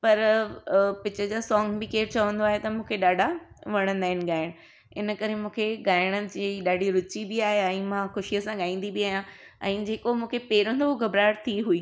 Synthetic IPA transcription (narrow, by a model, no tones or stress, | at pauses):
pɐɾ | pɪt͡ɕəd͡ʑaːsɔːŋɡbɪkeːɾt͡ɕɐʋə̃nd̪oaːɦet̪ɐmũːkʰeɗaːɖʱaʋɐɽ̃ə̃nd̪aːɪnɪ̆ɡaːɪɽ̃ | ɪnəkɐɾemũːkʰeɡaːɪɽ̃əd͡ʑiɗaːɖʱiɾʊt͡ɕibɪaːɦejaɛ̃ːmãxʊʃijəsãɠaːĩːn̆d̪ibɪaːɦijã | ɛ̃ːd͡ʑeːkomũːkʰepeːɾə̃nd̪oɦɡɐbɾaːɾt̪ʰiɦuiː